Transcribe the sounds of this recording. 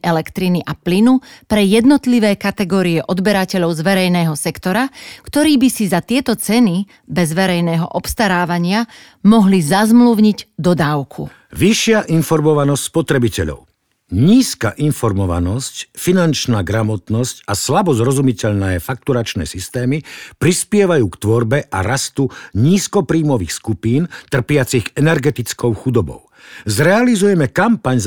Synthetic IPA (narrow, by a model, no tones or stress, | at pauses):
ʔɛlɛkt̪ɾiniʔaplinupɾɛjɛd̪nɔt̪liʋɛːkat̪ɛɡɔːɾiɛʔɔd̪bɛɾacɛʎɔʊzʋɛɾɛjnɛːɦɔsɛkt̪ɔɾakt̪ɔɾiːbisizat̪ɪɛt̪ɔt͡sɛni | bɛzʋɛɾɛjnɛːɦɔ̰ʔɔpst̪aɾaːʋaɲɪa | mɔɦlizazmluʊɲiɟd̪ɔd̪aːʊkʰṵ | ʋiʃɪaʔinfɔɾmɔʋanɔscʲspɔt̪ɾɛbicɛ̰ʎɔ̰ʊ | ɲiːska̰ʔinfɔɾmɔʋa̰nɔscfinant͡ʃnaːɡɾamɔt̪nɔscaslabɔzɾɔzumicɛʎnɛːfak̚t̪uɾat͡ʃnɛ̰ːsist̪ɛːmipɾispɪɛʋajuːkt̪ʋɔɾbɛʔa̰ɾast̪uɲiːskɔpɾiːmɔʋiːxskupiːnt̪r̩pɪat͡siɣɛnɛɾɡɛt̪it͡skɔʊxud̪ɔbɔ̰ʊzɾɛalizujɛmɛkampaɲz